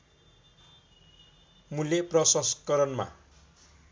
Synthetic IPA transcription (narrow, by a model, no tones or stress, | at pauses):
mulːeprʌsʌskʌɾʌnma̰